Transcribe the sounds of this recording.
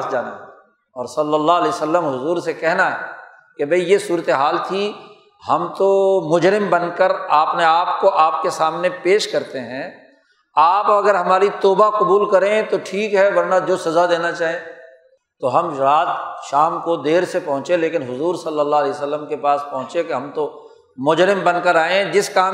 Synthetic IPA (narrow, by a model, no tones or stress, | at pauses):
sd͡ʒaːna̰ɦɛ | ɔːɾsɐlːəlːaɦlɛːjsəlːəmɦʊzuːɾsekɛɦnaɦɛː | kebʱɐijesuːɾət̪eɦaːlt̪ʰi | ɦɐmt̪omʊd͡ʒɾɪmbɐnkəɾaːpneaːp̚koʔaːp̚kesaːmnepeːʃkɐɾt̪eɦɛ̃ː | aːpɐɡəɾɦɐmaːɾit̪oːbaqʊbuːlkɐɾẽt̪oʈʰiːkɦɛʋɐɾnad͡ʒoːsɐzad̪eːnat͡ʃaːɦẽ | t̪oɦɐmɾaːt̪ʃaːmkod̪eːɾsepɐɦʊ̃t͡ʃeleːkɪnɦʊzuːɾsɐlːəlːaɦɐleːsəlːəmkepaːspɐ̃ɦʊ̃t͡ʃekeɦɐ̃mt̪o | mʊd͡ʒɾɪmbɐnkəɾaːẽd͡ʒɪskaː